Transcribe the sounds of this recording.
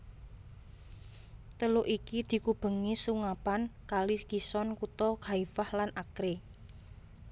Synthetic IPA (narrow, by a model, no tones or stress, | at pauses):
t̪əlʊʔikid̪̥i̤kub̥ə̤ŋisuŋapankalikisɔnkut̪ɔɡ̥aifahlanʔakɾe